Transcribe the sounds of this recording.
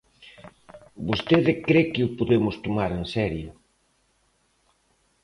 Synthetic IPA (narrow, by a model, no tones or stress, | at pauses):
bost̪eðɪkɾekɪʊpoðemʊst̪omaɾensɛɾjʊ